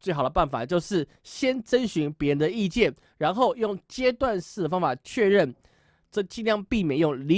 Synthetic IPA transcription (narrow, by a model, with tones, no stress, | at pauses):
t͡swe˥˩ɪɦɑ˨˩ʊd̪ə˧pa˥˩nfa̰˨˩t͡ɕjo˥˧ʊʂɻ̩˥˩ | ɕjɛ˥nʈ͡ʂə˦nɕy˧˥ŋpʲjɛ˧˥ɻə˧˦nd̪ə˧i˥˧t͡ɕjɛ˥˩n | ɻa˧˦˥nxo˥˨ʊjo˥˨˩ŋt͡ɕjɛ˥t̪wa˥˧nʂɻ̩˥˩d̪ə˩fɑ˥ŋfa˨˩t͡ɕʰɥɛ˥˧ɻə˥˩n | ʈ͡ʂə˥˩t͡ɕi˥˧nljɑ˧ŋpi˥˩mjɛ˨˩njo˥˩ŋli˧˦